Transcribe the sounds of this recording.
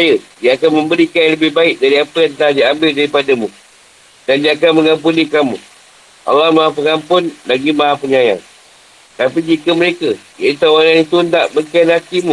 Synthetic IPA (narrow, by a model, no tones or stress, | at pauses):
jədiaːkanmə̃mbəɾikanləbɪhbaɪk̚daɾiapəjant̪adiambɪldaɾipadamũ | dandiaːkanməŋampunikamṵ | ʔa̰lːahmaɦapəŋampʊnlaɡimaɦapəɲaja̰ŋ | t̪apid͡ʒikəməɾekəjait̪awananit̪undaʔbəkanhat̪imũ